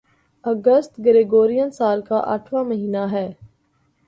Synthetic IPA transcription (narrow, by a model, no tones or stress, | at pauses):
əɡəst̪ɡəɾeɡoːɾijənsaːlkaʔə̰ʈʰʋãməɦiːnaɦɛː